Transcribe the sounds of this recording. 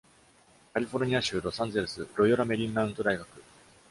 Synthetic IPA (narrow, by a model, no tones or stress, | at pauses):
kaɾʲiɸo̞ɾɯ̟ɲ̟iaɕɨːɾo̞sãnd͡ze̞ɾɯsɨɾo̞ioɾame̞ɾʲĩnːãɯ̟̃nt̪o̞d̪aiɡakɯ̟